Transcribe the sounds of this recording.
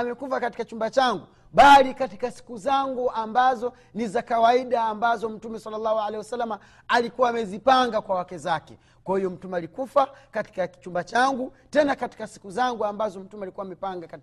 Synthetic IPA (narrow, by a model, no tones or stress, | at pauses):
amɛkufakati̥kat͡ʃumbat͡ʃaŋɡu | ɓalikati̥kasi̥kuzaŋɡuambazɔ | nizakawaiɗaːmbazɔm̩tumɛsalːalːahualɛiwasalːama | alikuwaːmɛzipaŋɡakwawakɛzakɛ̰ | kwahijɔm̩tumɛalikufakati̥kaki̥t͡ʃumbat͡ʃaŋɡu | tɛnakati̥kasi̥kuzaŋɡuambazɔm̩tumɛalikuwamɛpaŋɡaka